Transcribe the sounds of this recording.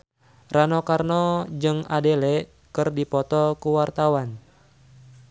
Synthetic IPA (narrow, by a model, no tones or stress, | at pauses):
ranɔkarnɔd͡ʒɨŋadɛlɛʔ | kɨrdipɔt̪ɔkuwart̪awan